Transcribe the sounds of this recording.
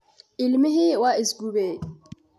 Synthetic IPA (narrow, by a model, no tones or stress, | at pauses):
ɪlmiɦɪwaɪsɡubeː